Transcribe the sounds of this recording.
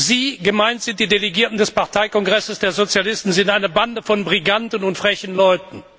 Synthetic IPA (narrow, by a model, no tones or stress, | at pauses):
ziːɡəmaɪntz̥ɪnt̚d̥iːdeleɡiːɐtn̩dɛspaʁtʰaɪkɔŋɡʁɛsəsd̥eːɐzot͡sjalɪstn̩zɪntʔaɪnəbandəfɔnbʁiɡantən̩ʊntfʁ̥ɛçən̩lɔʏtn̩